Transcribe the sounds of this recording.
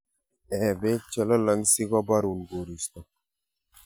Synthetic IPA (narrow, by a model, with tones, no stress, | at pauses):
ɛ˨bɛ˦t͡ʃɛ˨lɔ˦la˦ŋsi˦ɡɔ˦ba˦ɾu˨nɡo˨ɾi˨st̪ɔ˨